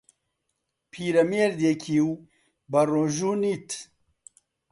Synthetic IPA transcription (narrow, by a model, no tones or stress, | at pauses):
pʰiːɾɐmeːɾd̪ekʰiːw | bɐroːʒuːniːt̪ʰ